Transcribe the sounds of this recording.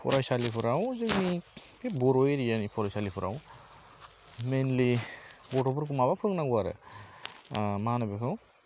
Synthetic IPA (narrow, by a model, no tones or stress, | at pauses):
pʰɔ̰ɾajsalipʰɯɾawzɯkmibʰibɔɾojɾijanipʰɔɾajsalipʰɯɾa̰w | menlibɔʈɔbɯɾkʰumabapʰɯɾɯŋnaɡuaɾɯ̰ | maɦanabekʰɯw